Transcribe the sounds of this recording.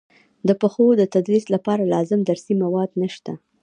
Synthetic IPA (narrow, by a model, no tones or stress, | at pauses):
d̪əpəxod̪ət̪ad̪ɾislapɑɾalɑzɪmd̪aɾsimawɑd̪nəʃt̪a